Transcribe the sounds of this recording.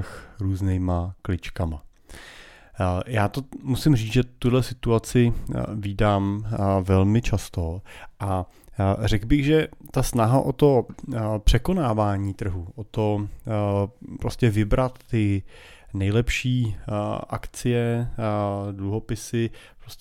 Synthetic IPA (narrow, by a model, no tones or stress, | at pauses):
xɾuːznɛːmaklɪt͡ʃkama | jaːt̪omusɪmriːt͡sʒɛt̪udlɛsɪt̪uat͡sɪviːdaːmvɛlmɪt͡ʃast̪o̞ʔa | rɛɡbɪɣʒɛt̪asnaɦaʔot̪o̞pr̝̥ɛko̞naːvaːɲiːt̪r̩ɦuʔot̪o | pɾoscɛvɪbɾat̪ːɪ | nɛjlɛpʃiːʔa̰kt͡sɪjɛ | dluɦo̞pɪsɪ | pɾos